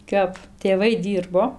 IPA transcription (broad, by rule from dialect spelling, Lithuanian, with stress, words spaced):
ˈkɐp tʲeːˈʋɐɪ ˈdʲiːrboː